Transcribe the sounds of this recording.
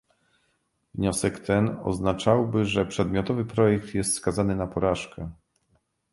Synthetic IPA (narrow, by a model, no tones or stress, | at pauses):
vɲɔsɛkt̪ɛnɔ̰znat͡ʂawbɘʐɛpʂɛd̪mʲjɔt̪ɔvɘpɾɔjɛk̚t̪jɛst̪skazanɘnapɔɾaʂkɛ